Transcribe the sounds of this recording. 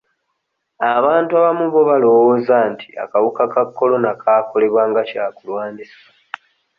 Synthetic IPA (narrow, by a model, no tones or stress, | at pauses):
aβaːntuaβamuβo̞βalo̞woːzantʰi̥a̰kawukakakːo̞lo̞nakʰaːko̞le̞βwaːŋɡacaːkulwaːndisḁ